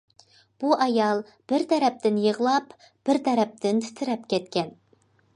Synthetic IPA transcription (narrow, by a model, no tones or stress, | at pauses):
b̥uʔɑjɑlˠ | b̥ɪɾt̪ʰæɾɛp̚t̪ʰɪnjəʁlˠɑp | b̥ɪɾt̪ʰæɾɛp̚t̪ʰɪnt̪ʰy̥t̪ʰɪɾɛp̚kʲɛt̪kʲʰɛn